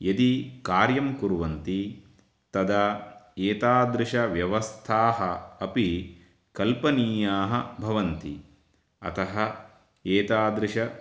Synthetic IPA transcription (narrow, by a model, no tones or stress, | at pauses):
jɐd̪ikaːɾjɐmkuɾʋɐnt̪i | t̪ɐd̪ɐeːt̪aːd̪ɾɪʃɐʋjɐʋɐst̪ʰaːɦɐɐpi | kɐlpɐniːjaːɦɐbʱɐʋɐnt̪i | ɐ̰t̪ɐɦɐ̆ | eːt̪aːd̪ɾɪʂɐ